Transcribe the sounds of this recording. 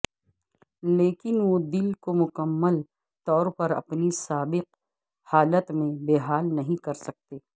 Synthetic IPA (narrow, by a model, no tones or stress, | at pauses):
leːkɪnʋod̪ɪlkomʊkəmːəl | t̪ɔːɾpɐɾɐ̰pnisaːbɪq̚ | haːlət̪mẽbeːɦaːlnɐɦĩkɐɾsɐk̚t̪eː